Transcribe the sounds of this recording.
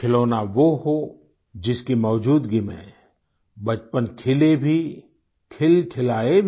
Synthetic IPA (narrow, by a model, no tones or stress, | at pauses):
kʰɪloːnaʋoɦo | d͡ʒɪskimɔːd͡ʒuːd̪ɡɪmḛ̃ | bɐt͡ʃpənkʰɪlebʱi | kʰɪlkʰɪlaːebʱ